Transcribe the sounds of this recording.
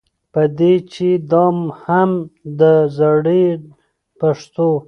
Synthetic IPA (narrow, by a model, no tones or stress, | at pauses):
pəd̪et͡ʃed̪ɑmhamd̪əzaɽe | paʂt̪o